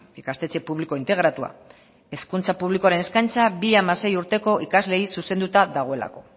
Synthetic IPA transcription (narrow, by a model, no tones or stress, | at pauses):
ikast̪e̞t͡sepuβliko̞int̪e̞ɣ̞ɾat̪ua̰ | e̞skunt͡sapuβliko̞aɾe̞ne̞skajnt͡sabiamase̞juɾt̪e̞ko̞ʔikazle̞isuse̞nd̪ut̪aðaɣ̞o̞e̞la̰ko̞